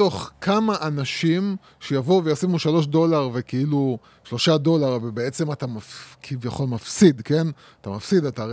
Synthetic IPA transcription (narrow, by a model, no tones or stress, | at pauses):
o̞χkʰamaʔanaʃim | ʃejavo̞vejasimuʃalo̞ʃ̬do̞laʁve̞keilu | ʃlo̞ʃado̞laʁvebee̞t͡se̞mat̪amafkʰivjaχo̞lmafsid̪ke̞n | at̪amafsid̪ata